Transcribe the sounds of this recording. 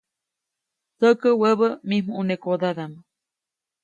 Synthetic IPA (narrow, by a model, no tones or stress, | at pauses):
səkəwəβəmimuʔunekod̪aðamə